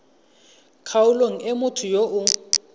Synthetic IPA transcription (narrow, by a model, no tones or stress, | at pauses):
kʰaʊloŋ̩ɛmʊtʰʊjoʔʊ